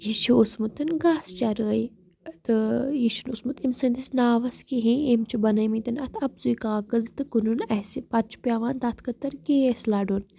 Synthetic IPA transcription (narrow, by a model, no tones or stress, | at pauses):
jiʃiusmut̪ɨnɡaːst͡ʃɐɾɨɐj | t̪ɨjiʃunusmut̪imsɐnd̪isnaːʋɐskiɦĩemt͡ʃubɐnɐjmĩt̪ɨnɐt̪ʰɐbzuikaːkɐzt̪ɨkɨnunɐsipɐt͡ʃʰu̥pʲjaːʋaːnt̪at̪ʰkɐt̪ɐɾkeːeslaːɖun